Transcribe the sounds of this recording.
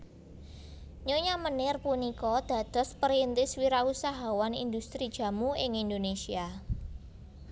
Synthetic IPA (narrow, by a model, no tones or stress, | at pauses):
ɲoɲamənɪrpunikɔd̪̥ä̤d̪̥ɔ̤spəɾint̪ɪswiɾausaɦawanḭnd̪ust̪ɾid̥ʒ̥a̤muɪŋind̪onesia